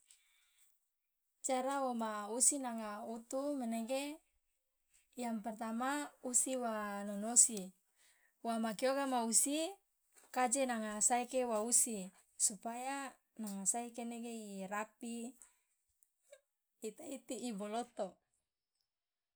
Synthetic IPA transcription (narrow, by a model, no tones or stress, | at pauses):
t͡ʃaɾawomausinaŋaut̪umɛneɡe | jaŋpɛrt̪amausiwanonosi | wamakioɡamausi | kad͡ʒenaŋasaikewausi | supaja | naŋasaikeneɡeiɾapi | t̪ait̪iːbolot̪o